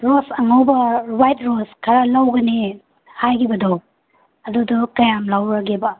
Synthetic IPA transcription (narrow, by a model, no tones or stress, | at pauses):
ɾosɐŋawbɐɾajt̚ɾoskʰaɾalawɡɐni | hajkʰibɐdɔ | ɐdudɔkɐjamlawɾaɡebɐ